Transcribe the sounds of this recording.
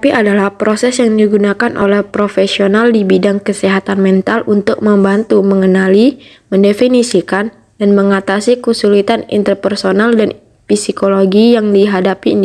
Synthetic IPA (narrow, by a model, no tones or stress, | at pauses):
piʔadalahpɾosɛsjaŋdiɡunakanʔo̰lɛhpɾofɛsionaldibidaŋkəsiɦat̪anmɛnt̪alʔunt̪ʊk̚məmbant̪uməŋənali | məndefinisikan | danməŋat̪asikəsulit̪anḭnt̪ərpɛrsonaldan | fisikoloɡijaŋdiɦadapiːn